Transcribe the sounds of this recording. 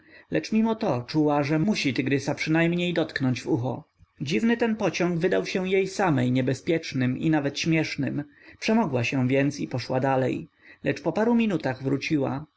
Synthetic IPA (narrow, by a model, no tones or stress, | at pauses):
lɛt͡ʂmʲimɔt̪ɔt͡ʂuwaʐɛmuɕit̪ɘɡɾɘsapʂɘnajmɲejd̪ɔt̪knɔɲd͡ʑvuxɔ̰ | d͡ʑivnɘt̪ɛnpɔt͡ɕɔŋɡvɘd̪awɕɛ̃jejsamɛjɲɛbɛspʲjɛt͡ʂnɘmḭnavɛt̪ɕmʲjɛʂnɘ̰mpʂɛmɔɡwaɕɛ̃vʲjɛnt̪sipɔʂwad̪alɛ̰j | lɛt͡ʂpɔpaɾumʲinut̪aɣvɾut͡ɕiwa̰